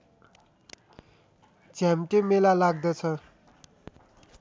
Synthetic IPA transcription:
d͡zamʈemelalaɡ̚d̪ʌt͡sʰʌ

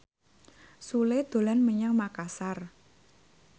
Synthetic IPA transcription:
suled̪̥o̤lanməɲaŋmakasar

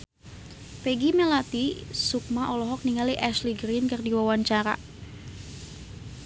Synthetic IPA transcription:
pɛɡimɛlat̪isuk̚maʔɔlɔɦɔk̚niŋaliʔɛsliɡɾinkɨrdiwawaɲt͡ʃaɾa̰

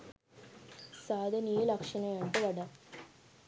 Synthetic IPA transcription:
saːd̪ʱɐnijilɐkʂɐnɐjaɳɖɨʋɐɽɐ

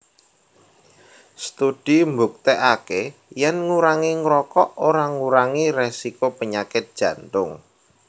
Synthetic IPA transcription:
st̪ud̥imbuk̚t̪eʔakejɛnŋuɾaŋiŋɾɔkɔʔoɾaŋuɾaŋiresikopəɲakɪt̪̚d̥ʒ̥ä̤nt̪ʊŋ

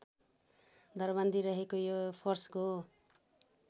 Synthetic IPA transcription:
d̪ʱʌrbʌnd̪ʱiɾʌɦekojopʰorsko

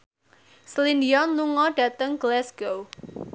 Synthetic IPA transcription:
slindiɔnluŋɔɖ̥ä̤t̪əŋɡəlɛsɡ̥ow

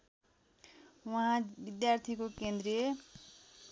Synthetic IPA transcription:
waɦãbid̪jart̪ʰikokend̪ɾije

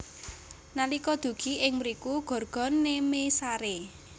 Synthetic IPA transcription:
nalikɔd̪̥ṳɡ̥i̤ɪŋmɾikuɡ̥ɔ̤rɡ̥ɔ̤nːemesaɾe

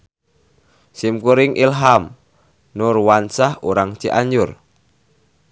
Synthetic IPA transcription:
simkuɾɪŋʔilɦam | nʊrwansahuɾaŋt͡ʃiʔaɲd͡ʒʊr

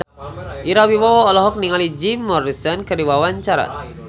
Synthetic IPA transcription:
ʔiɾawiwawɔːlɔɦɔk̚niŋalid͡ʒimːɔɾisənkədiwawaɲt͡ʃaɾa̰t̪̚

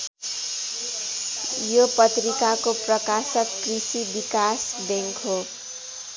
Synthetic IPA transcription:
jopʌt̪rikakoprʌkasʌkːrisibikasd̪eŋkʰo

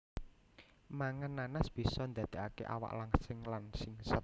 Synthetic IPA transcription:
maŋənːanasb̥isɔnd̪a̤d̪̥e̤akḛʔa̰wa̰ʔlaŋsɪŋlansɪŋsət̪̚

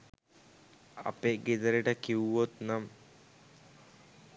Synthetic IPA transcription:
a̰peːɡed̪əɾiʈəkiwuʋot̪nam

